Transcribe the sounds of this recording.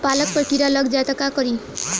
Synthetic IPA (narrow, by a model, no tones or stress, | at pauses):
palək̚pəʈiɾalʌɡd͡ʒat̪əkakɔɾi